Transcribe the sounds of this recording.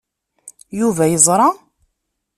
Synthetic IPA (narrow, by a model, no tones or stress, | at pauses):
juvæjəzˤɾˤɑ